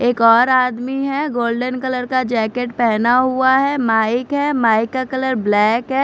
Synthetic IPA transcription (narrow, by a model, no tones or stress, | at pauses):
eːkɔːɾaːd̪miɦɛɡoːlɖənkɐləɾkad͡ʒɛːkeʈpɛɦnaɦuaɦɛmaːɪkɦɛmaːɪkːakələɾblɛːkɦɛː